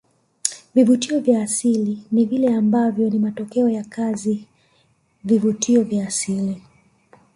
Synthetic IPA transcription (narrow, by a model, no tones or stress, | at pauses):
vivutiɔvjaːsilinivilɛambavjɔnimatɔkɛɔjakazi | vivutʰiɔvjaːsili